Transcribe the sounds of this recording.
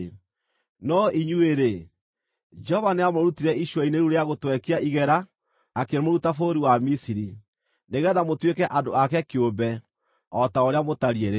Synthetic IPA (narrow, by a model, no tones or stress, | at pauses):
nɔiɲueɾe | d͡ʒɛhɔvaneamoɾutiɾɛiʃwɛineɾuɾeaɣotwɛkiaʔiɣɛɾaː | keɾmoɾutafoɾiwamisiɾi | neɣɛðamotwekɛʔadoakɛkeobɛ | ɔtaoɾeamotaɾieɾe